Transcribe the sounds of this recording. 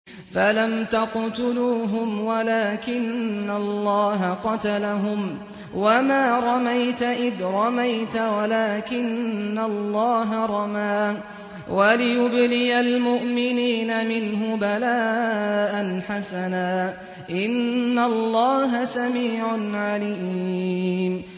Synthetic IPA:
falamt̪aqt̪ʊluːɦʊmwalaːkɪnːalːɑːɦaqɑt̪alaɦʊm | wamaːɾˤɑmajt̪aʔɪðɾˤɑmajt̪awalaːkɪnːalːɑːɦaɾˤɑmaː | walɪjʊblɪjalmʊʔmɪniːnamɪnɦʊbalaːʔanħasanaː | ʔɪnːalːɑːɦasamiːʕanʕaliː | m

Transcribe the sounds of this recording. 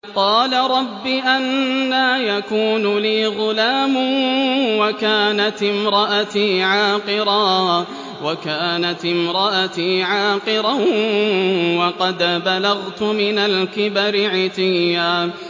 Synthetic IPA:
qɑːlaɾˤɑbːiːʔanːaːjakuːnʊliːɣʊlaːmʊwakaːnat̪ɪmɾˤɑʔat̪iːʕaːqɨɾaː | wakaːnat̪ɪmɾˤɑʔat̪iːʕaːqɨɾa | wɑqɑd̪balaɣt̪ʊmɪnalkɪbaɾɪʕɪt̪ɪjːaː

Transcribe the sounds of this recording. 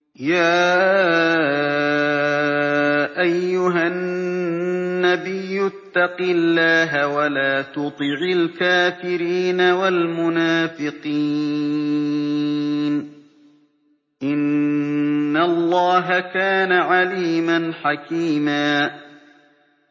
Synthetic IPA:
jaː | ʔajːʊɦa | abɪjːʊt̪ːɑqɪlːaːɦawalaːt̪ʊt̪ˤɨʕɪlkaːfɪɾiːnawalmʊnaːfɪqiː | n | ʔɪnː | alˤːɑːɦakaːnaʕaliːmanħakiːmaː

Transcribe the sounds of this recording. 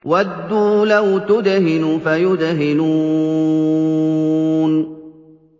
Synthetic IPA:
wad̪ːuːlawt̪ʊd̪ɦɪnʊfajʊd̪ɦɪnuː | n

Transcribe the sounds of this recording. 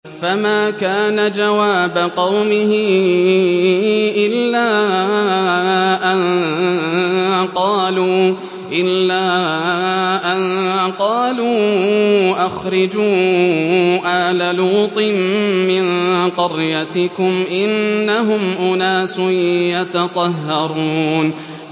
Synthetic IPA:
famaːkaːnad͡ʒawaːbaqɑwmɪhɪ | ʔɪlːaː | ʔan | qɑːluː | ʔɪlːaː | ʔanqɑːluː | ʔaxɾɪd͡ʒuː | ʔalaluːt̪ˤɨmːɪnqɑɾjat̪ɪkʊmʔɪnːaɦʊmʔʊnaːsʊjat̪ɑt̪ˤɑɦːɑɾˤuːn

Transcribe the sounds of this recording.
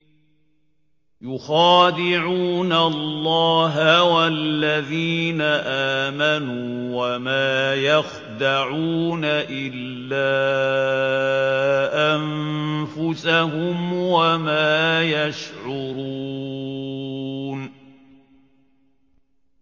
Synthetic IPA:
jʊxaːd̪ɪʕuːnalːɑːɦawalːaðiːnaʔaːmanuːwamaːjax | d̪aʕuːnaʔɪlːaː | ʔamfʊsaɦʊmwamaːjaʃʕʊɾu | n

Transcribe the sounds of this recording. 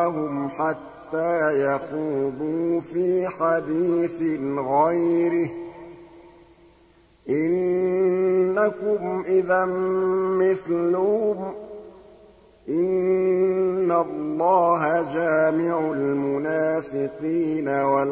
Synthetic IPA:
ɦʊmħat̪ːaːjaxuːðˤuːfiːħad̪iːθɪnɣajɾɪh | ʔɪnː | akʊmʔɪðanmɪθlʊhʊm | ʔɪnː | alːɑːɦad͡ʒaːmɪʕalmʊnaːfɪqiːnawa

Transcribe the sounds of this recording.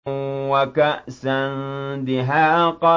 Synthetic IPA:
wakaʔsand̪ɪɦaːʔqɑ

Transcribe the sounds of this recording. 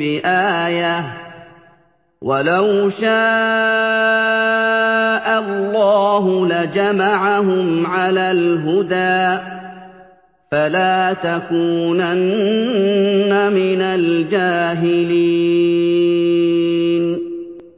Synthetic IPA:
ɪʔaːja | walawʃaː | ʔalːɑːɦʊlad͡ʒamaʕaɦʊmʕalaːlɦʊd̪aː | falaːt̪akuːnan | amɪnald͡ʒaːɦɪliː | n

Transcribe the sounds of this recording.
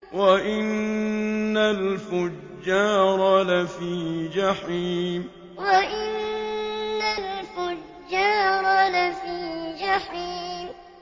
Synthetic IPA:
waʔɪnː | alfʊd͡ʒːɑːɾˤɑlafiːd͡ʒaħiːm | waʔɪnː | alfʊd͡ʒːɑːɾˤɑlafiːd͡ʒaħiːm

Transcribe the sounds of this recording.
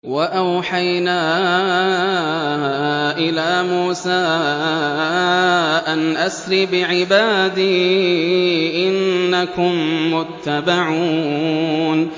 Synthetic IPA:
waʔawħajnaː | ʔɪlaːmuːsaː | ʔanʔasɾɪbɪʕɪbaːd̪iː | ʔɪnːakʊmːʊt̪ːabaʕuːn

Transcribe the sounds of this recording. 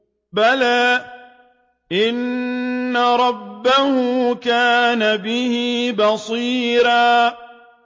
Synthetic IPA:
balaː | ʔɪnː | aɾˤɑbːahʊkaːnabɪhibɑsˤiːɾaː

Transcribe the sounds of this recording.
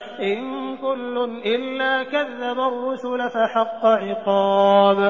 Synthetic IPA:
ʔɪnkʊlːʊnʔɪlːaːkaðːabarːʊsʊlafaħɑqːɑʕɪqɑːb

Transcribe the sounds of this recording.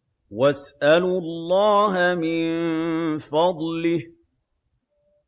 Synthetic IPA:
wasʔalʊlːɑːɦamɪn | fɑd̪ˤlɪh

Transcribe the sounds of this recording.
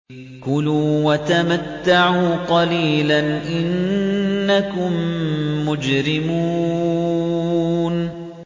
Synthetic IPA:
kʊluːwat̪amat̪ːaʕuːqɑliːlanʔɪnː | akʊmː | ʊd͡ʒɾɪmuː | n

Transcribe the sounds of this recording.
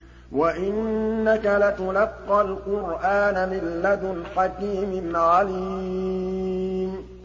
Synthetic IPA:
waʔɪnːakalat̪ʊlɑqːɑlqʊɾʔaːnamɪlːad̪lħakiːmɪnʕali | m

